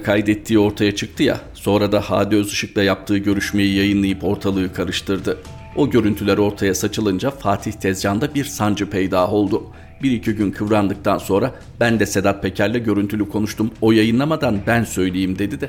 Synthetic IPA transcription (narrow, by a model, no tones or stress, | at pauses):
kʰajd̪ɛt̪ʰːiːo̞ɾt̪ʰajat͡ʃʰɯk̚t̪ʰɯja̰so̞nɾad̪ahaːd̪iø̞zɯʃɯk̚lˠajap̚t̪ʰɯːɟø̞ɾyʃme̞jijajɯnlˠajɯpo̞ɾt̪ʰalˠɯɯkʰaɾɯʃt̪ʰɯɾd̪ɯ | o̞ɟø̞ɾynt̪ʰylʲæɾo̞ɾt̪ʰajasat͡ʃʰɯlˠɯnd͡ʒafaːt̪ʰiht̪ʰɛzjand̪abiɾsand͡ʒɯpʰɛjd̪aːo̞lˠd̪u | biɾicʰiɟynkʰɯvɾand̪ɯk̚t̪ʰanso̞nɾa | bænd̪ɛse̞d̪at̪̚pʰe̞cʰæɾlʲɛɟø̞ɾynt̪ʰylʲykʰo̞nuʃt̪ʰumo̞jajɯnlˠamad̪anbænsø̞jlʲejimd̪e̞d̪id̪ɛ